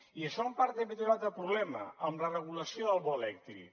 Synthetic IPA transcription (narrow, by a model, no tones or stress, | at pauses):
iəʃɔmpaɾt̪emet̪uɾat̪əpɾuβlɛmə̰əmlərəɣ̞uləsijoðəlˠβɔelɛk̚t̪ɾḭ